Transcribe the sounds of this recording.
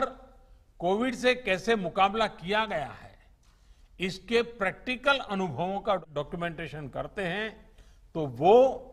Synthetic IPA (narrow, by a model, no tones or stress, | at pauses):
ɾ | koːʋɪɖs̬ekɛːsemʊkaːblakijaɡɐja̰ɦɛ̰ː | ɪskepɾɛːk̚ʈɪkəlɐnʊbʱəʋõkaɖɔːkjumɛ̃ːɳʈeːʃənkɐ̰ɾt̪eɦɛ̃ | t̪oʋo